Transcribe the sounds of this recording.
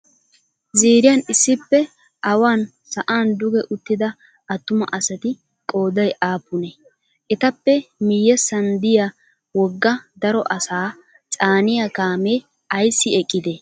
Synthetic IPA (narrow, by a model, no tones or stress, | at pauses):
ziːɾɪjɐnɪsːɪpːɛ | ʔɐwaːn | sɐʔaːnd̪ʊɡɛʔʊt̪ːɪd̪ɐ | ʔɐt̪ːʊmɐ̰ʔɐsɐt̪ɪ | kʼo̞ːd̪ɐjʔaːpːʊne | ʔɛt̪ɐpːɛmɪjːɛsɐnd̪ɪja | wɔɡːɐd̪ɐɾɔʔɐsaː | t͡sʼaːnɪjakaːmeː | ɐjsːɪɛkʼːɪd̪e